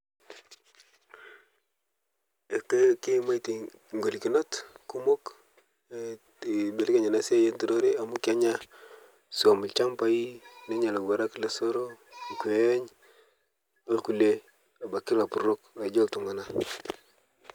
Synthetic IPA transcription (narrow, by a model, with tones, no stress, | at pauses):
e˨kki˦˨ma˦i˨ti˨ | ŋɡo˨li˨ki˨no˦tku˦mo˦k | be˨li˦ka˦ɲa˨na˦si˦a˦je˦ntu˦do˦ɾe˦a˨mu˦ka˦ɲa˦ | su˨a˨mu˨lt͡ʃa˦mpa˦i˦ne˦ɲa˨la˨ɡa˨ɾa˦kle˦so˦ɾo˦˨ku˨˦ɲ | a˦ku˨le˨ | a˨ba˨ki˦ɾa˨pu˨ɾo˦ka˨d͡ʒo˦ltu˨ŋa˨na˦